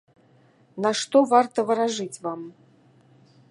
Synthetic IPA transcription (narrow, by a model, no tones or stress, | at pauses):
nɐʂt̪ɔvart̪ɐvɨɾaʐɨt͡sʲvam